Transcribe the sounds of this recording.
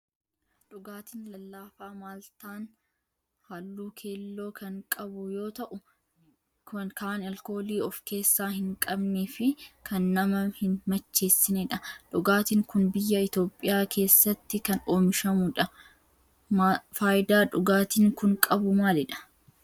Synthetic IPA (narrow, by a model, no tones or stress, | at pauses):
ᶑʊɡaːt̪inlɐlːaːfaːmaːlt̪aːn | halːuːkʰe̞ːlːo̞ːkʰɐŋkʼɐbʊjo̞ːt̪ɐʔʊ | kaʔnɐlko̞ːliːɔfke̞ːsːaːhɪŋkʼɐbneːfɪkʰɐnːɐmɐhɪnmɐt͡ʃːe̞ːsːɪnɛᶑɐᶑʊɡaːt̪ɪːŋkʊnbɪjːɐɪt̪jo̞ːpʼːɪjaːkʰe̞ːsːɐt̪ːɪkɐno̞ːmɪʃɐmʊᶑɐ | mafaːjd̪aːᶑʊɡaːt̪iːŋkʊŋkʼɐbʊmaːlɪᶑɐ̥